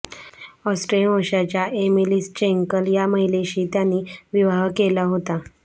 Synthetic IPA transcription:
ɔsʈɾelmoɕat͡ɕjaʔemilist͡ɕeŋkəljaməɦileɕiːt̪janːiːʋiʋaɦkelaɦot̪a

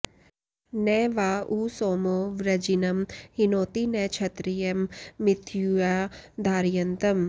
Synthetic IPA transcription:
nɛːʋaːusoːmoːʋɾɐd͡ʒinɐmhinoːt̪inɛt͡ʃʰɐt̪ɾijɐmːɪt̪ʰjuaːd̪ʱaːɾijɐnt̪ɐm

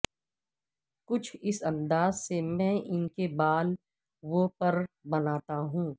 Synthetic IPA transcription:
kʊt͡ʃʰɪsɐ̃nd̪aːzsemɛ̃ːʔɪnkebaːl | ʋopɐɾbɐnaːt̪aɦũː

